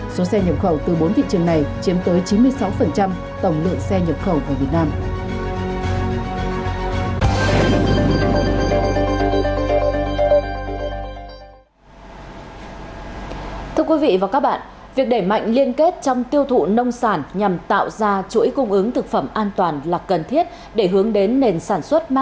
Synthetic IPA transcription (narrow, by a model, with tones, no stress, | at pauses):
so˨˦sɛ˧ɲə˨˩p̚xə˧˩wt̪ɨ˨˩ɓo˨˦nt̪ʰḭ˧˨t͡ɕɨ˨˩əŋna˨˩jt͡ɕi˨˦əmt̪əː˨˦jt͡ɕi˨˦nmɨ˧əjsa˨˦wfə˨˩nt͡ɕa˧m | t̪ə˧˩wŋ͡mlɨ̰˧˨əŋsɛ˧ɲə˨˩p̚xə˧˩wʔaː˨˩vi˨˩ət̚naː˧m | t̪ʰɨ˧əkwi˨˦vḭ˧˨vaː˨˩kaː˦˥k̚ɓa̰ː˧˨ | vi˨˩ək̚ɗe˧˩jma̰˧˨jŋ̟li˧ənke˦˥t̚t͡ɕɔ˧wŋ͡mt̪i˧əwt̪ʰṵ˧˨nə˧wŋ͡msaː˧˩nɲa˨˩mt̪a̰ː˧˨wzaː˧t͡ɕṵ˧˥jkʊ˧ŋ͡mʔɨ˨˦ŋt̪ʰɨ˨˩k̚fə˧˩mʔaː˧nt̪waː˨˩nlaː˨˩kə˨˩nt̪ʰi˦˥ət̚ | ɗe˧˩ɦɨ˨˦əŋɗe˨˦nːe˨˩nsaː˧˩nswə˦˥t̚m˦˥